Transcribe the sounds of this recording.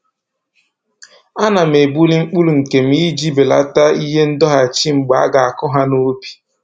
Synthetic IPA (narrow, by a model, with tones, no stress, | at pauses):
a˦na˨m̩˨e˨bu˦li˦ŋ͡m̩˦k͡pu˦lu˨ŋ̩˨ke˨m̩˦i˦d͡ʒi˦be˨la̰˦ta˦i˦ɦe˦n̩˦dɔ˦ɦa˨t͡ʃi˦ŋ͡m̩˨ɡ͡ba˨a̰˦ɡa˨a˨kʊ˦ɦa˦no˦pi̥˨